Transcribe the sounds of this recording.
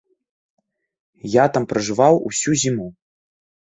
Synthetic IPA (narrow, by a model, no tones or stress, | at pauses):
jat̪ampɾɐʐɨvawṵsʲuzʲimu